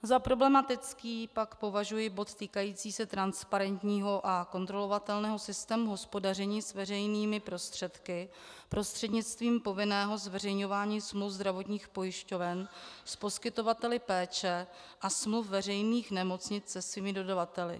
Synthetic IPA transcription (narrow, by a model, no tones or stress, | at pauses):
zapɾo̞blɛmat̪ɪt͡skiːpakpo̞vaʒujɪbo̞t̪t̪iːkajiːt͡siːsɛt̪ɾanspaɾɛnt̪ɲiːɦo̞ʔako̞nt̪ɾo̞lo̞vat̪ɛlnɛːɦo̞sɪst̪ɛːmuɦo̞spo̞dar̝ɛɲiːsvɛrɛjniːmɪpɾo̞st̪r̝̥ɛt̪kɪ | pɾo̞st̪r̝̥ɛdɲɪt͡st̪viːmpo̞vɪnɛːɦo̞zvɛr̝ɛjɲo̞vaːɲiːsmlufzd̪ɾavo̞t̪ɲiːxpo̞jɪʃco̞vɛnspo̞skɪt̪o̞vat̪ɛlɪpɛːt͡ʃɛ | ʔasmlufvɛr̝ɛjniːxnɛmo̞t͡sɲɪt͡ssɛsviːmɪdo̞davat̪ɛlɪ̰